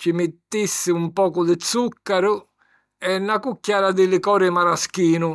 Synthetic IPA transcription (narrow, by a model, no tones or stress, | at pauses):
t͡ʃimɪt̪ːisːɪumpɔːkʊd̪ɪt̪sukːaɾʊ | ɛnːakukːaːɾad̪ɪlɪkɔːɾɪmaɾaskiːnʊ